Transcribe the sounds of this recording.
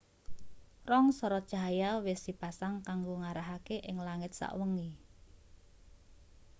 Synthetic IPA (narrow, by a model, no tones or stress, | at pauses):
rɔŋsɔɾɔd̥ʒ̥a̤jawɪsd̥i̤pasaŋkaŋɡoŋaɾaɦakeʔɪŋlaŋɪt̪̚sa̰ʔwəŋi